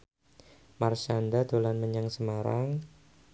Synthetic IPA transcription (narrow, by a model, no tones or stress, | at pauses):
marʃandad̪olanməɲaŋsəmaɾa̰ŋ